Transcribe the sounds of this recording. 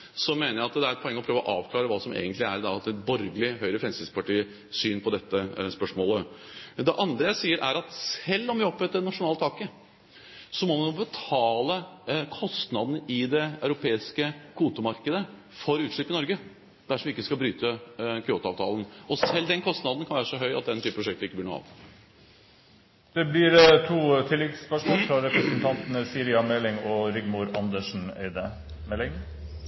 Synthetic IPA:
sɔmeːnəɾjæɑt̪d̪ɛæɾɛt̪pʰɔɛŋːəɔpʰɾøːʋɔʔɑːʋkʰlɑːɾəʋɑːsɔmḛːɡənt̪lɪæ̰ɾd̪ɑt̪ːɛt̪bɔɾɡəlɪɦœʏɾəfɾɛmsɪspɑʈiːə | syːnpʰɔd̪ɛt̪ːəspœʂmoːləd̪ɛʔɑnd̪ɾəjæɪsiːəɾʔæɾɑt̪sɛlːɔmʋɪɔpːɛt̪ːənɑʂʊnɑːlət̪ʰɑːkə | sɔmɔmɛnubət̪ʰɑːləkʰɔst̪nɑd̪nəʔɪd̪ɛœʉɾʊpʰeːɪskəkʰuːt̪ʊmɑɾkəd̪ə | fɔɾʉːt̪ʂɭɪpːɪnɔɾɡə | d̪̥æʂɔmʋɪɪkːəskɑbɾyːt̪əkʰɪoːt̪ɑ̰ːʋt̪ʰɑ̰ːlən̩ɔsɛlːd̪ɛnkʰɔst̪nɑd̪n̩kʰɑnʋæːɾəʂɔɦœʏɑt̪̚d̪ɛnt̪ʰyːpəpɾʊʂɛkt̪əɾɪkːəb̪lɪɳṵːɑ̰ːʋ | d̪̥ɛblɪɾt̪ʰuːt̪ʰɪlːɛɡspœʂmɔːlfɾɑɾɛpɾəsnt̪ʰɑnt̪ənəsiːɾɪɑmɛlɪŋɔɾʏɡmʊɾɑnd̪əʂn̩ḛɪd̪ə | mɛlːɪŋ

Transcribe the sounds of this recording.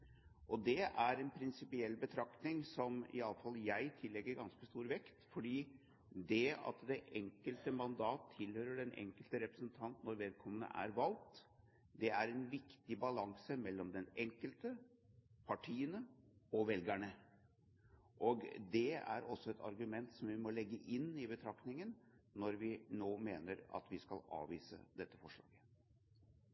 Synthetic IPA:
ʔɔd̪ɛʔæɾɛnpʰɾɪnsɪpɪɛlːbət̪ʰɾɑkt̪nɪŋsɔmɪ̰ɑlːəfɑlːjæɪt̪ʰɪlːɛɡːəɾɡɑnskəst̪uːɾʋɛkt̪fɔɖiː | d̪ɛɑ̰t̪d̪ɛʔɛŋkəlt̪əmɑnd̪ɑːt̪ʰːɪlhøːɾəɖɛnʔɛ̰ŋkəlt̪əɾɛpɾəsənt̪ʰɑnt̪nːɔɾʋɛːd̪̚kʰɔmːənə̰ʔæ̰ɾʋɑlt̪ | d̪ɛæɾɛnʋɪkt̪ɪbɑlɑŋsəmɛlːɔmd̪ɛnɛŋkəlt̪ə | pʰɑʈʰiːənəɔʋɛlɡæɳə | ʔɔɡd̪ɛæ̰ɾʔɔsːɔɛt̪ʰɑ̰ɾɡʉmɛnt̪sɔmʋɪmɔlɛɡːəʔɪnːɪbət̪ʰɾɑkt̪ɪŋənnɔɾʋɪnoːmeːnəɾɑ̰t̪ʋɪskɑlɑ̰ːʋiːsə̰d̪ɛt̪ːəfɔʂɭɑ̰ːɡə

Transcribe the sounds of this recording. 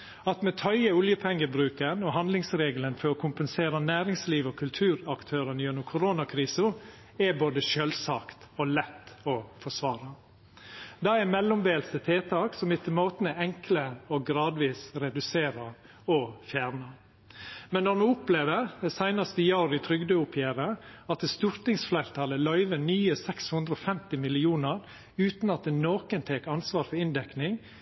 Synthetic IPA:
ɑt̪mɛt̪ʰœʏəʊljəpʰɛŋːəbɾʉːkənɔɦɑnd̪lɪŋsɾeːɡələnfɔɾɔkʰʊmpənseːɾɑnæːɾɪŋsliːʋɔkʰʉlt̪ʰʉːɾɑkt̪ʰøːɾənjɛnːʊmkʰʊɾoːnɑkʰɾiːsʊ | ɛboːd̪əʃølsɑːkt̪ɔlɛt̪ːɔfɔʂʋɑːɾɑ | d̪ɑːɛmɛlːʊmbeːlsət̪ʰeːt̪ʰɑːksɔmɪt̪ʰɪlmoːt̪ənɛɛŋkləɔɡɾɑːd̪ʋiːsɾɛd̪ʉseːɾɑ | ɔfjæːɾnə | mɛnːɔɾmʉːʊpleːʋəɾd̪ɛsæɪnɑst̪əjɑːɾɪt̪ʰɾʏɡd̪øːʊpʰjæːɾəɑt̪̚ɛst̪ʉɾt̪nɪŋsflæɪɾt̪ʰɑːləlœʏʋənyːəsɛkshʉnd̪ɾəɔfɛmt̪ɪmɪlɪuːnəɾ | ʉːt̪nɑt̪̚d̪ɛnoːkənt̪ʰeːkɑnsʋɑːɾfɔɾɪnd̪ɛknɪŋ

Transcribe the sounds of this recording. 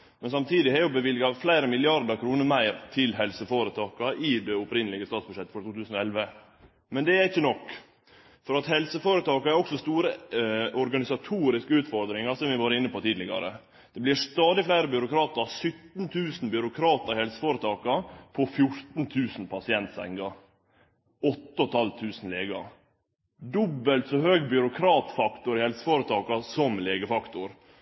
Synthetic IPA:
mɛnsɑmt̪ʰiːd̪ɪhæɾjʊbəʋɪlɡɑflæɪɾəmɪlɪɑɾd̪əɾkʰɾuːnəɾmæɪɾt̪ʰɪlɦɛlsəfoːɾət̪ʰɑːkɑʔɪd̪ɛʊpɾɪnːəlɪɡəst̪ɑːt̪sbʉʂɛt̪ːəfɔɾʈ̪ʰuːt̪ʉːsn̩ɔɛlʋə | mɛnd̪ɛæɾɪçːənɔkː | fɔɾɑt̪hɛlsəfoːɾət̪ʰɑːkɑæɾɔksɔst̪uːɾəɔɾɡɑnɪsɑt̪ʰuːɾɪskəʉːt̪fɔɾd̪ɾɪŋɑsɔmʋɪʋɑːɾəɪnːəpɔt̪ʰiːd̪lɪɡɑ̰ɾə̰ | d̪̥ɛblɪst̪ɑːd̪ɪflæɪɾəbʏɾʊkɾɑːt̪əɾɑsʏt̪n̩t̪ʰʉːsn̩bʏɾʊkʰɾɑːt̪əɾhɛlsə̥foːɾət̪ʰɑːkɑpʰɔfjʊɾt̪nt̪ʰʉːsnpʰɑsɪɛnt̪sɛ̰ŋɡɑ | ɔt̪ːəɔt̪ʰɑlt̪ʰʉːsn̩leːɡɑ̰ | d̪ɔbːəlt̪sɔɦøːɡbjʏɾʊkʰɾɑːt̪fɑkt̪ʊɾɪhɛlsə̥foːɾət̪ʰɑːkɑsɔmleːɡəfɑkt̪ʊɾ

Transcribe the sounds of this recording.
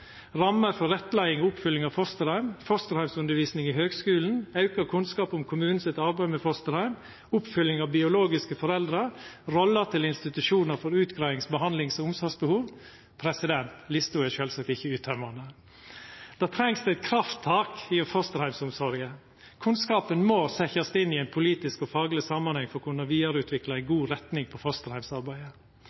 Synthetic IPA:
ɾɑmːəɾfɔɾɛt̪ːlæɪɪŋʊpfʏlːɪŋɑʋfɔst̪əɾhæɪmfɔst̪əɾhæɪmsʉnd̪əɾʋiːsnɪŋɪhøːɡskʉːln̩ɑʉkəɾkʰʉnskɑːpʊmkʰʊmʉːn̩sɪt̪ɑɾbæɪmɛfɔst̪əɾhæɪm | ʊpfʏlːɪŋɑʋbɪʊloːɡɪskəfɔɾɛld̪ɾəɾɾɔlːət̪ʰɪlɪnst̪ɪt̪ʉʂuːnəɾfɔɾʉːt̪ɡɾɑɪɪŋsbəhɑnd̪lɪŋsɔʊmsɔɾɡsbəhuːʋ | pʰɾɛsɪd̪ɛnt̪lɪst̪ʊɛʃøːlsɑkt̪ɪçːəʉːt̪ʰœmɑnə | d̪̥ɑːt̪ʰɾɛŋsd̪ʉæɪt̪̚kʰɾɑft̪ʰːɑːkifɔst̪əɾhæɪmsʊmsɔɾɡə | kʰʉnskɑːpənmoːsɛçɑst̪ɪnːɪæɪnpʰʊliːt̪ɪskɔfɑːɡlɪsɑmːɑnhɛŋfɔɾkʰʊnəɾʋiːɑɾʉːt̪ʰʋɪklɑæɪɡuːɾɛt̪nɪŋpʰɔfɔst̪əɾhæɪmsɑɾbæɪə

